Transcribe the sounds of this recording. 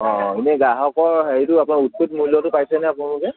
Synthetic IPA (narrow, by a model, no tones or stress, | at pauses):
ɔ̃inɛɡaɦɔkɔɹɦeɹitʊapunaut̚put̚mulɔtʊpajsɛnɛapʊnalʊkɛ